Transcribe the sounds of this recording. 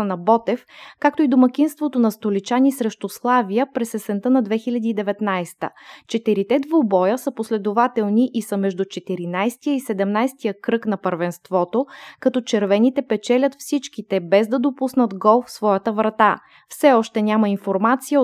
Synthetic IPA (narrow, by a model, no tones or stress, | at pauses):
nɐbɔt̪ɛfkak̚t̪oid̪omɐk̟inst̪vot̪onɐst̪olit͡ʃanisɾɛʃt̪oslˠavijəpɾɛsɛsɛnt̪ənɐd̪vɛxilʲəd̪iːd̪ɛvɛt̪najst̪ə̰t͡ʃɛt̪iɾit̪ɛd̪vobɔjəsəposlɛd̪ovat̪ɛlˠniʔisəmɛʒd̪ut͡ʃɛt̪iɾinajst̪ijəisɛd̪ɛmnajst̪ijəkɾɤknɐpəɾvɛnst̪vɔt̪okɐt̪ɔt͡ʃɛɾvɛnit̪ɛpɛt͡ʃɛlʲət̪fsit͡ʃkit̪ɛbɛzd̪ɐd̪opusnət̪ɡɔlˠfsvɔjət̪əvɾɐt̪a | fsɛɔʃt̪ɛnʲamɐinfoɾmat̪sijə